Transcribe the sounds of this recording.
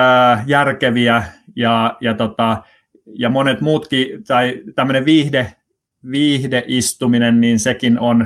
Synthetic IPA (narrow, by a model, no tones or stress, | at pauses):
əjærkeʋiæjɑjɑt̪ot̪ɑ | jɑmonet̪muːt̪kit̪ɑit̪æmːøneʋʋiːhde | ʋiːhdeʔist̪uminenninsekinon